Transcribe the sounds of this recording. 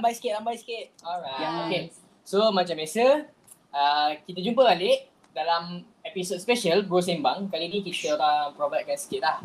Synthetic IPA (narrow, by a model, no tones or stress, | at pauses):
ambajsi̥kɪt̪̚ambajsi̥kɪt̪̚ɔɹajaoke | somãt͡ʃãmbjasə | əkit̪̬əd͡ʒumpəaleʔ | dalam | ɛpisot̚spɛʃəlbɾus̬ɛmbaŋkalinikit̪əɾapɾobat̪̚kansi̥kɪt̪̚lah